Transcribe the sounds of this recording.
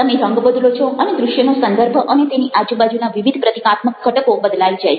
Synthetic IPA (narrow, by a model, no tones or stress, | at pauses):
əmeɾəŋɡbəd̪lot͡ʃʰoʔəned̪ɾʊʃjənosənd̪əɾbʱəʔənet̪eniʔad͡ʒubad͡ʒunaʋiʋid̪ʱpɾət̪ikat̪məkːəʈəkobəd̪laid͡ʒa